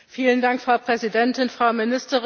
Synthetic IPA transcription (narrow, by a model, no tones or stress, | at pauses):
fiːləndaŋkfʁ̥aʊpʁ̥ɛzidɛntɪnfʁ̥aʊmɪnɪstəʁ